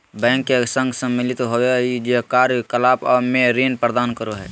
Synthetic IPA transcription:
bɛ̃ːŋkːesə̃ŋɡsə̃mːɪlɪt̪ɦoːeid͡ʒekaːɾkəlaːpɔːmeɾiːnpɾəd̪aːnkəɾoɦɛ̰ː

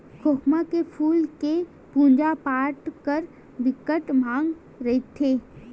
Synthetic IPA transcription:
kʰokmakepʰuːlke | pũːnd͡ʒapaːʈkəɾ | bɪkəʈmãːŋɡ | ɾəɦit̪ʰːeː

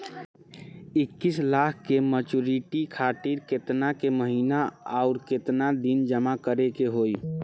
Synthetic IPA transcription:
ɪkːislakʰkemət͡ʃuɾiʈikʰaʈiɾket̪nakeməɦinaaʊɾket̪nad̪ind͡ʒəmakəɾekeɦoj

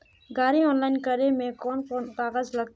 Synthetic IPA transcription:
ɡaːɾiɔːnlaːɪnkəɾemẽkɔːnkoːnkaːɣəzlɐɡ̪

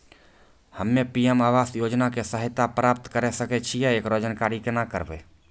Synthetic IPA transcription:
həmːẽpiːemaːʋaːsjoːd͡ʒnakesəɦɪt̪apɾaːp̚t̪kəɾesəket͡ʃʰijɛeːkɾod͡ʒənkaːɾikenakəɾbeː

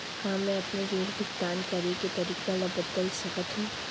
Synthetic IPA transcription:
kamːẽɐpneɡeːɾb̪ɪk̚d̪aːnkɐɾeket̪ɐɾiːkalɐbət̪ːəlsɐkət̪ɦũː

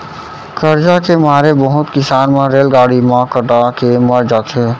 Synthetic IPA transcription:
kəɾd͡ʒakemaːɾebəɦʊt̪kɪsaːnmẽɾeːlɡaːɽimãkəʈakeməɾd͡ʒat̪ʰe

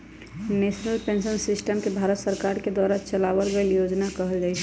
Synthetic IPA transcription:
neːʃnəlpẽnʃənsɪsʈəmkebʱaːɾət̪səɾkaːɾked̪waːɾat͡ʃəlaːʋəlɡəljoːd͡ʒnakɐɦəld͡ʒaːiɛ

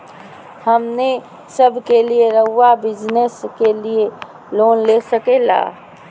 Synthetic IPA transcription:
həmne | səbʱkelieɾəɦʊwabɪd͡ʒneskelie | loːnlesəkela̰ː

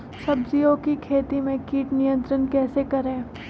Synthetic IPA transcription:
sɐbziõkikʰeːt̪imẽkiːʈnijə̃nt̪ɾənkɛːsekɐɾẽː

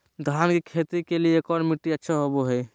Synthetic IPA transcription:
d̪ʱankekʰet̪ikeliekɔɾmiʈːiətːʃʰaɦoboɦəj

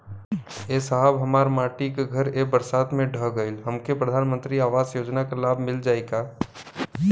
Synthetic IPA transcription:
eːsəɦəbɦəmaːɾmaːʈikeɡʱəɾebəɾsaːt̪mẽɖʱəɦɡəɪlɦəmkepɾəd̪ʱaːnmə̃nt̪ɾiaːʋaːzjoːd͡ʒnakelaːbʱmɪld͡ʒaːeɡaː

